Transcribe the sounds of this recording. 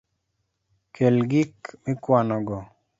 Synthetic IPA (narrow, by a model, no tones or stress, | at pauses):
kʰelɡikmɪkwanɔɡɔ